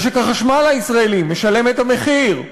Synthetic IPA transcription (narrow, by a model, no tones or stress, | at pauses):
ʃekaχaʃmalaisʁaelimːeʃale̞met̪ame̞χiʁ